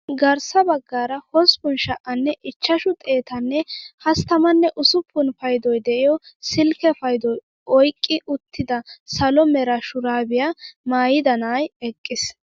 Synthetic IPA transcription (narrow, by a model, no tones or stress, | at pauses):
ɡɐɾsɐbɐɡːaːɾɐhɔspʊnʃɐʔɐnːɛʔɪt͡ʃːɐʃʊt̪ʼe̞ːt̪ɐnːɛhɐst̪ɐmɐnːɛʔʊsʊpʰːʊnfɐjd̪ɔjd̪ɛʔɪjɔsɪlkɛfɐjd̪ɔj | ʔɔjkʼːɪʔʊt̪ʰːɪd̪ɐsɐlɔmɛɾɐʃʊɾaːbɪjamaːjɪd̪ɐnaːjɛkʼːɪs